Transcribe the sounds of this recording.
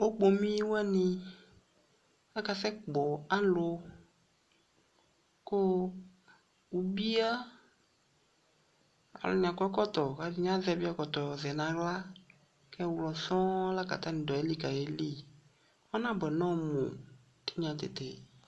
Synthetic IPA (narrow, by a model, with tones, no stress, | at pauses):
o˦k͡po˨mĩ˦wa˦nĩ˦ | la˦ka˨sɛ˦k͡pɔ˨a˦lo˦ | ko˦ | wu˨bi˦a˦ | a̰˨lʊ̰˨ɲã˨kɔ˦kɔ˦t̪ɔ˨ka˨di˦ɲ˦ã˦zɛ˨˦bi˦a˦kɔ˨t̪ɔ˨zɛ˨nã˨ɣla˦ | kɛ˦wlɔ˨sɔ̃˦la˦ka̰˨t̪a˦nĩ˨dɔ˨e˦li˦ka˨je˨˦li˦˨ | ɔ˦nã˦bɛ˨nɔ̃˦mo̰˨ | t̪i̥˦ɲã˨t̪ḛ˨t̪ḛ˨